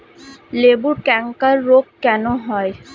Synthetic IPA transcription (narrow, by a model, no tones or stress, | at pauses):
lebuɾkɛŋkaɾːoɡkɛnoɦɔe